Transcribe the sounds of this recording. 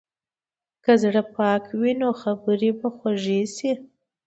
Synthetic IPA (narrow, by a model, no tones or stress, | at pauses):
kazɽəpɑkwinoxabəɾibaxwaʒesi